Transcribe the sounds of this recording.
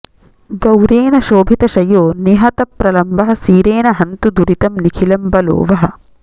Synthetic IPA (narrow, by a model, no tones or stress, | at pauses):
ɡɐwɾeːnɐʃoːbʱit̪ɐʃɐjoːniɦɐt̪ɐpɾɐlɐmbɐɦɐ̆siːɾeːnɐɦɐnt̪ud̪uɾit̪ɐmnikʰilɐmbɐlo̰ːʋɐɦɐ̆